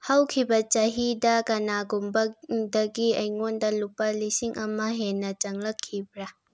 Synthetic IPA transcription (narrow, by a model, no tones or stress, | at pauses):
hɐwkʰibɐt͡ʃɐɦidɐkɐnaɡumbɐdɐɡiɐjŋondɐlupːɐlisiŋʔɐmɐɦenːɐt͡ʃɐŋlɐkʰːibɾa